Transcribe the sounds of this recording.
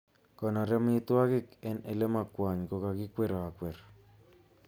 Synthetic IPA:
kɔ˨nɔ˨ɾɛ˦mɪ˦t̪wa˦ɡɪ˦kɛ˦ne˨le˦ma˨kwa˨ɲɡo˨ka˨ɡɪ˦kwe˦ɾɔ˨a˨kwɛ˨ɾ

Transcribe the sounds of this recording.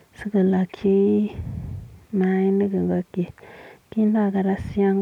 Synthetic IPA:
sɨ˦ɡə˨la˨kʰe˦ | na˨i˦ni˦ɡə˨ŋɡa˦ke˨ki˦nda˦˨ɡa˨ɾa˦si˦a˦ŋ

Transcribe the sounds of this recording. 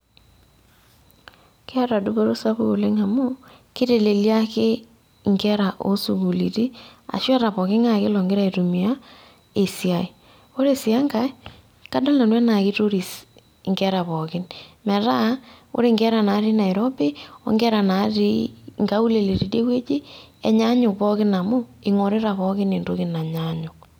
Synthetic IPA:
ke˦a˦ɾa˨du˦bo˦ɾo˦sa˦βu˦˨le˦ŋa˨mo˦ | kɪ˦ɾe˨le˨lja˦ke˦ | ŋɡɛ˦ɾa˨ʔo̰˦su˨ku˨li˨ti˦a̰˨ʃa˦ɾa˨pɔ˨kɪ˦ŋa˦˨kɪ˦lɔ˨ŋɡɪ˦ɾa˦i˨tu˨mi˨a˦ | e˨si˨a˨i˨ | o˦ɾe˦si˨a˦ŋɡa˦ | ka˦dɔ˦lna˨nwɛ˦na˨kɪ˦to˦ɾi˨s | ŋɡɛ˦ɾa˨βɔ˨kɪ˦nmɛ˨ɾa˦o̰˦ɾe˦˨ŋɡɛ˦ɾa˨na˨˦ɾi˦na˨i˨ɾɔ˦be˦o̰˦ŋɡɛ˦ɾa˨na˨˦ɾi˦ŋɡa˦u˦le˨le˨ɾi˨de˦kwe˦t͡ʃi˦ | ɛ˨ɲa˦ɲʊ˨pɔ˦kɪ˦na˨mʊ˦ɪ˨ŋo˨ɾe˦ɾa˨βɔ˦kɪ˦ne˨ndo˦kɪ˦na˨ɲa˦ɲʊ˨

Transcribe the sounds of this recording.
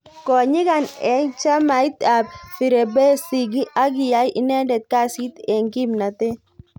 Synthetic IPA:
kɔ˨ɲi˦ka˨nɛ˨˦ŋt͡ʃa˦ma˨˦i˦t̪a˨bfi˨ɾɛ˨bɛ˦si˨ɡi˦ʔa˦ɡi˨ja˨˦jʔɪ˦nɛ˦dɛ˨t̪̚ka˦si˦t̪ɛ˨ŋɡi˦mna˨t̪ɛ˦

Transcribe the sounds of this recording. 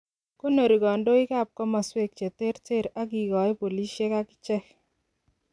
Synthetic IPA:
ko˦no˨ɾi˨ɡɔ˨ndo˦ɪ˦ka˦˨p̚kɔ˦ma˨swe˦k̚t͡ʃe˨te˦ɾte˦˨ɾa˦k̬i˨ɡɔ˨e˦po˨li˦ʃje˦ka˦kɪ̥˦t͡ʃɛ˦k

